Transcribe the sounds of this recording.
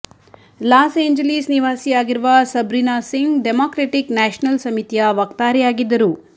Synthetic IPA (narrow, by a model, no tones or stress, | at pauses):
laːseːɲd͡ʒɐlisniʋaːsijaːɡiɾuʋɐsɐbɾinaːsiŋɡɖemoːkɾeːʈiknaːʃnɐlsɐmit̪ijɐʋɐk̚t̪aːɾɛjaːɡid̪ːɐɾu